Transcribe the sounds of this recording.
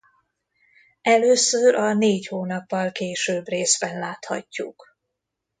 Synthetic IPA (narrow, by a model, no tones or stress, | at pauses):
ɛløːsøɾɒneːchoːnɒpːɒlkeːʃøbreːzbɛnlaːt̪hɒ̰cːṵk